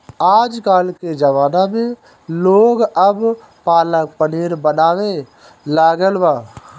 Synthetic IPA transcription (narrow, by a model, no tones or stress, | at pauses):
aːd͡ʒkaːlked͡ʒəʋaːnamẽ | loːɡəb | paːlək̚pəniːɾbənaːwe | laːɡəlbaː